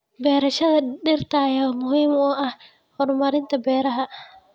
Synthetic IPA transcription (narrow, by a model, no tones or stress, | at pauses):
bɛːɾɐʃɐðɐɗɪrt̪ʰajamʊhiːmɔːʔɐh | hɔrmɐɾɪnt̪ʰɐbɛːɾɐɦɐ